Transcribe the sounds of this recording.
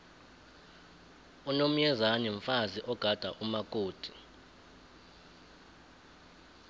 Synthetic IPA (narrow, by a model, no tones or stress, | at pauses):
unom̩jɛzanɛɱfaziʔɔɡ̥ʱad̥ʱaʔumakʼoːd̥ʱi